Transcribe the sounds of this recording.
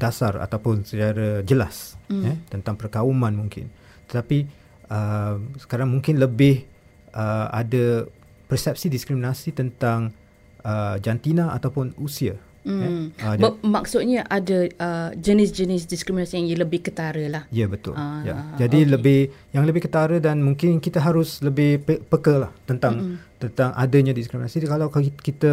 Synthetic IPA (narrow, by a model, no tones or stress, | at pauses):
d̥asara̰t̪awpʊnsət͡ʃaɾad͡ʒəlasjɛt̪ənt̪aŋpərkaumãnmũŋkɪ̰n | t̪ət̪api | ʔəmsə̥kaɾaŋmũŋkɪnləbɪh | ʔəa̰da | pərsɛp̚sidiskɾiminasit̪ənt̪aŋ | əd͡ʒant̪inãʔa̰t̪awpʊnusia | m̩aəmaksʊt̪̚ɲaʔadəəd͡ʒənɪsd͡ʒənɪs̬diskɾiminasijaŋjələbɪhkət̪aɾəlahjabət̪ʊ̰lja̰d͡ʒadiləbɪh | jaŋləbɪhkət̪aɾədanmuŋkɪnkit̪əɦaɾʊsləbɪhpəpəkəlaht̪ənt̪aŋt̪ənt̪aŋʔa̰dəɲãdiskɾiminasikalawkit̪ə